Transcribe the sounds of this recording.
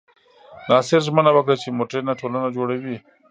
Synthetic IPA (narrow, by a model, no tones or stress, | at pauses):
nɑːsɪɾʒmənabakɽat͡ʃemoʈɾenaʈʰoːlanad͡ʒoɽawi